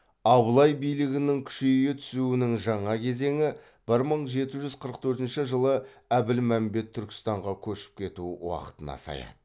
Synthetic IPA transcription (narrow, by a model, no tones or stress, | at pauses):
ɑblˠɑjbijlɪɡʲɪnɪŋkʲʰʏ̥ʃejet̪ʰʏ̥suɪnɪŋʒɑɴɑkʲʰe̞ze̞ŋɪ | b̥ɪɾməɴʒe̞t̪ɪʒʏzqʰəɾəq̚t̪ʰɵɾt̪ɪnʃɪʒəlˠəæbɪlmæmbe̞t̪ʰːʏɾkʲɪ̥st̪ɑɴʁɑkʲʰɵʃɪ̥p̚kʲʰe̞t̪uwɑ̰qə̥t̪ənɑ̰sɑ̰jɑ̰d̪ə